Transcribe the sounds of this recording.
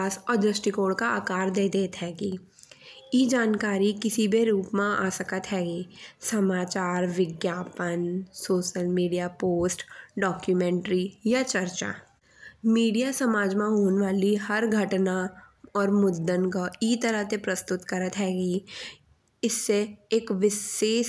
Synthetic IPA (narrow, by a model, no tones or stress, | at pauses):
aːsɔːɾd̪ɾəsʈikoːɽkaaːkaːɾd̪eːd̪eːt̪ɦɛːɡi | jed͡ʒaːnkaːɾikɪsibʱeɾuːpmãa̰ːsəkət̪ɦɛːɡiːsɐmaːt͡ʃaːɾʋɪɡjaːpənsoːʃəlmiːɖijapoːsʈɖɔːkjumɛ̃ːɳʈɾijat͡ʃəɾt͡ʃa̰ː | miːɖijasɐmaːd͡ʒmãɦoːnʋaːliɦɐɾɡʱɐʈnaɔːɾmʊd̪ːənkoiːt̪əɾəɦt̪epɾɐst̪ʊt̪kɐɾət̪ɦɛːɡi | ɪsːeeːkʋɪseːʃ